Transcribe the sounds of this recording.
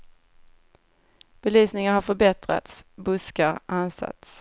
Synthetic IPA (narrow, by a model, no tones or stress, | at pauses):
b̥ɛlyːsnɪŋaɾhaɾfœɾbɛt̪ɾa̰t̪sbɵskaɾʔansa̰t̪s